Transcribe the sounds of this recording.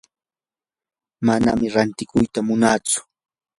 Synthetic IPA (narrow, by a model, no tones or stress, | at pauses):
mana̰mɪɾant̪ɪkʊjt̪amʊnaːt͡sʊ̥